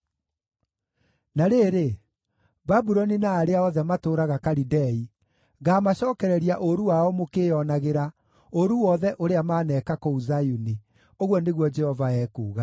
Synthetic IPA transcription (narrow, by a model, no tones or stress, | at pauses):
naɾeɾe | babuɾɔninaːɾeaɔðɛmatoːɾaɣakaɾidɛi | ɣaːmaɕɔːkɛɾɛɾiaʔoɾuwaɔmokeːjɔnaɣeɾa | oɾuwɔðɛʔoɾeamaːnɛːkakouzajuni | oɣwɔneɣwɔd͡ʒɛhɔvaɛːkuːɣa